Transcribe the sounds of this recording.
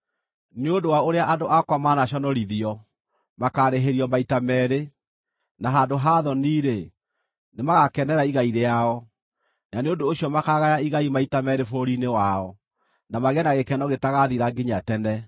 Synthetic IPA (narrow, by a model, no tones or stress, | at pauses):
neodowaoɾeaʔadoʔakwamaːnaɕɔnɔɾiðiɔ | makaɾeɦeɾiɔmaitamɛɾe | naɦadoɦaðɔniːɾe | nemaɣakɛnɛɾaiɣaiɾeaɔ | naneondoːɕiɔmakaɣajaiɣaimaitamɛɾefoɾinewaɔ | namaɣɛnaɣekɛnɔɣetaɣaðiɾaɡiɲatɛnɛ